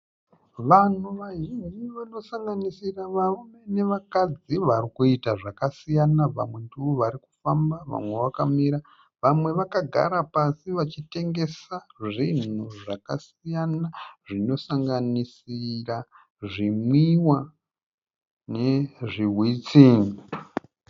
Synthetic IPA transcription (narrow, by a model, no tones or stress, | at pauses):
ʋan̤uʋaʒiɲd͡ʒiʋano̞saŋɡanisiraʋarume̞ne̞ʋakad͡ziʋarikuitaʐakasijanaʋa̰mwe̞ndiʋo̞ʋaɾikufambaʋa̰mwe̞ʋakamiɾa | ʋamwe̞ʋakaɡʱa̰ɾapasiʋat͡ʃite̞ŋɡe̞saʐinuʐakasijanaʐino̞saŋɡanisira | ʐimwiwa | ne̞ʐiɦwit͡siːŋi